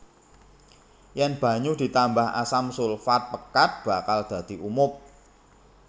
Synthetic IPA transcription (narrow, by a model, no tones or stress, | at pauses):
janb̥ä̤ɲud̪̥i̤t̪ambaha̰samsʊlfat̪̚pəkat̪̚b̥a̤kald̪̥a̤d̪̥i̤ʔumʊp̚